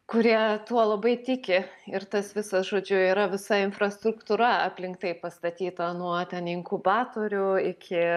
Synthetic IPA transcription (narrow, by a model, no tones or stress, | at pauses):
kʊɾʲiɛt̪uɔlˠɐbɐɪt̪ʲɪkʲɪɪrt̪ɐsʋʲɪsɐsʒoːd͡ʒʲʊiːɾɐʋʲɪsɐɪnfrɐst̪ɾʊkt̪uːɾɐɐ̰pʲlʲɪŋk̚t̪ɐɪpɐst̪ɐt̪ʲiːt̪ɐnuɔt̪ʲɛnɪŋkʊbɑːt̪oːɾʲʊɪkʲɪ